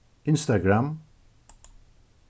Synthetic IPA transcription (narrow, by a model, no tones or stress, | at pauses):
ɪ̃nst̪aɡɾam